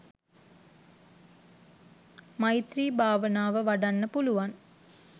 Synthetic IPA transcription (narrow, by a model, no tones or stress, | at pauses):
majit̪riːbʱaːʋənaːʋəʋaɖanːəpuluʋan